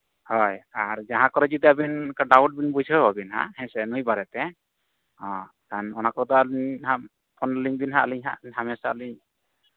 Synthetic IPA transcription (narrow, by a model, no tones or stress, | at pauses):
hɔjaɾd͡ʒaɦãkɔɾɛd͡ʒit̪ɛabinkaɖawʈ̚binbud͡ʒɔbabinhã̰hɛ̃sɛnujbaɾɛt̪ɛ | hɔ̃ | kanɔnakɔɔd̪ɔlha | pʰɔnliŋbinɦaaliɲɦa̰hamɛsaaliɲ